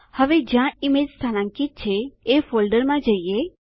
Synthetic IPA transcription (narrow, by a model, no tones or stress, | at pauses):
həʋed͡ʒjãɪmeːd͡ʒst̪ʰanãŋkit̪̚t͡ʃʰeefoːlɖəɾmãd͡ʒəie